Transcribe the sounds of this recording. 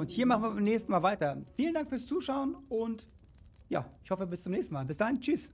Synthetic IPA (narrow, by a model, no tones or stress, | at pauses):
ʊnthiːɐmaχn̩viːɐbamnɛːçstn̩maːlvaɪtɐfiːləndaŋkfyːɐst͡suːʃaʊənʊnt | ja̰ːɪçhɔfəbɪst͡sʊmnɛːçstn̩maːlbɪsd̥ahɪnt͡ʃys